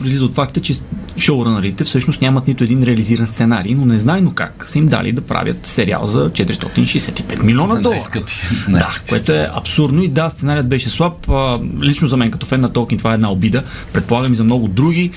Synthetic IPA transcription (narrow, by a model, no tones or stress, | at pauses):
pɾoizlizot̪fak̚t̪ət͡ʃɛʃoʊɾənɐɾit̪ɛfsɤʃnost̪nʲamɐt̪nit̪oɛd̪inɾɛɐliziɾɐnst̪sɛnaɾijnonɛznajnoka̰ksəimd̪a̰lʔḭd̪ɐpɾa̰vʲjə̰t̪sɛɾia̰lˠzɐt͡ʃɛt̪iɾʲist̪ɔ̰t̪iniʃɛjsɛt̪i̥pɛt̪milʲiɔnɐd̪ɔpd̪a̰koɛt̪oɛʔɐ̰psuɾd̪noid̪ast̪sɛnaɾijət̪̚bɛʃɛslˠapəlit͡ʃnozɐmɛnkɐt̪ɔfɛnːɐt̪ɔlˠkʲint̪ovaɛd̪naobid̪ə | pɾɛt̪̚polˠaɡəmizɐmnɔɡʊd̪ɾuɡʲi